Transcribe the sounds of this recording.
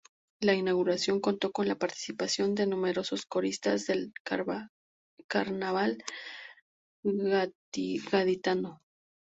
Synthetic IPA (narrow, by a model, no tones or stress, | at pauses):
lainaɣuɾasjo̞ŋko̞nt̪o̞ko̞nlapaɾt̪i̥sipasjo̞nd̪e̞nũme̞ɾo̞so̞sko̞ɾist̪azðe̞l | kaɾnaβal | ɣaðit̪ano